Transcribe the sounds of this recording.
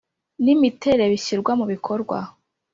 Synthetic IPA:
nimitʰe̞ɾe̞βiɕiɾɡwamuβikʰo̞ɾɡwa̰

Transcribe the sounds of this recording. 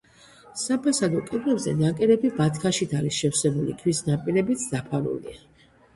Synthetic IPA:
sapʰasad̪ɔkʼɛd̪ɾɛbzɛ̰nakʼɛɾɛbibat̪ʰkʰaʃid̪aliʃɛfsɛbulḭkʰwisnapʼiɾɛbit̪sʰd̪apʰalṵlḭa

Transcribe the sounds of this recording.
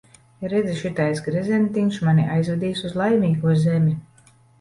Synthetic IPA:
ɾɛd̪zʲiʃit̪ajsɡɾɛzʲɛnt̪iŋkʃmaniʔajzvɛd̪ʲiːjsuzlˠajmʲiːɡuɔzʲemʲi

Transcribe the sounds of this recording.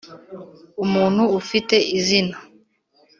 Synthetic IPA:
umun̤uufitɛizina

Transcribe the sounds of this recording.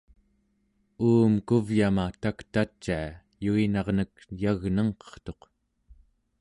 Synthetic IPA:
uːmkuvjamat̪akt̪at͡ʃːaː | juinɑʁnəkjaɣnʌŋqʌ̥χt̪o̞q

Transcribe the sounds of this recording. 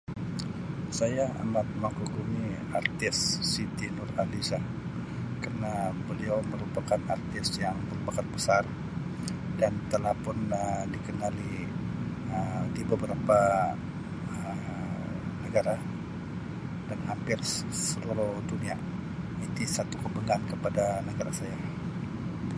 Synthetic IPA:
sajaa̰mat̪̚makuɡumi | art̪ɪsːit̪inʊralisah | kərnabəliawməɾupakanart̪ɪsjaŋbərbakat̪̚bəsar | dant̪əlahpʊnədikənali | ədibəbəɾapa | ə | nəɡaɾa | danɦampɪrssəlaluhdunia | it̪isat̪ukəbəŋankəpadanəɡaɾasaja

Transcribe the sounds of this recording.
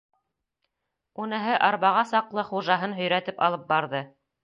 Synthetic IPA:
unɤ̆ɦɤʔɑɾβɑʁɑsɑqlˠɤχuʒɑɦɤnɦɵ̆jɾæt̪ɘpɑ̰lˠɤp̚bɑɾðɤ

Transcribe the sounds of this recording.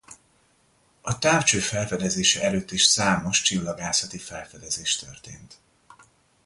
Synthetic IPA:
ɒt̪aːft͡ʃøːfɛlfɛd̪ɛzeːʃɛɛløːt̪ːiʃsaːmo̞ʃt͡ʃilːɒɡaːsɒt̪ifɛlfɛd̪ɛzeːʃt̪ø̰rt̪ḛːnt̪

